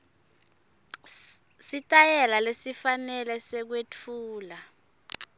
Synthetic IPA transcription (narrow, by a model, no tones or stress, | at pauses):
sitʼajɛlalesifanɛlɛsɛk̬wetʰuːla